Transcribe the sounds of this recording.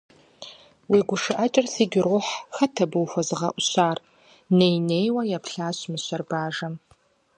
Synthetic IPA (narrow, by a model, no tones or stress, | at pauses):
wiːɡʷʊʂɨʔɐt͡ʃʼɪrsiːɡʲɪrʊħxɐtʰɐbɨwxʷɔzɨʁɐ̰ʔʷʊɕaːr | nejnejwɐjaːpʰɬaːɕmɨɕɐrbaːʒɐm